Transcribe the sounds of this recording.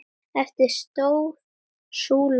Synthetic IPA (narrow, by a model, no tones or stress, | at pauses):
ɛft̪ɪɾ̥st̪oːwɾ | suːl